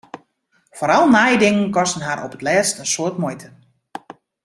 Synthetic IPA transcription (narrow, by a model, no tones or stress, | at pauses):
foːɾɔlˠnajdɪŋənkɔstənɦaɾʔɔ̰pətlɛːstənsoːtmɔjtʰə